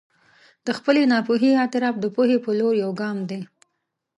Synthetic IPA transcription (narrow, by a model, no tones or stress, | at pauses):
d̪̥əxpəlenɑpuɦiat̪ɪɾɑpd̪əpuhepəloɾjawɡɑmd̪e